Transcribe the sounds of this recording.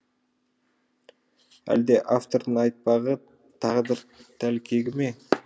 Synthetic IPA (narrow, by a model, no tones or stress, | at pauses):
æ̰ld̪e̞ʔaft̪o̞ɾd̪ənɑjt̪̚pɑʁə | t̪ʰɑʁəd̪əɾt̪ʰælkʲʰe̞ɡʲɪme̞